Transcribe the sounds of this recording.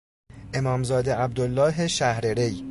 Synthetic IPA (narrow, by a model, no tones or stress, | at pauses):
ʔe̞mɒːmzɒːd̪eʔæb̚d̪olːɒːɦeʃæhɾeɾe̞j